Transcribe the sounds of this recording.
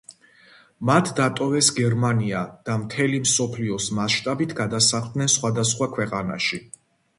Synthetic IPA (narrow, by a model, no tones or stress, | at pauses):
mat̪ʰd̪at̪ʼɔvɛsɡɛɾmaniad̪̥amt̪ʰɛlimsɔpʰliɔsmaʃt̪ʼabit̪ʰɡad̪asaχld̪nɛnsχwad̪asχwakʰwɛqʼana̰ʃi